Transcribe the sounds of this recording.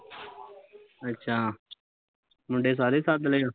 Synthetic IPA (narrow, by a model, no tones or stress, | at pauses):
ətːʃʰaː | mʊ̃ɳɖeːs̬aːɾeːsaːd̪leːaː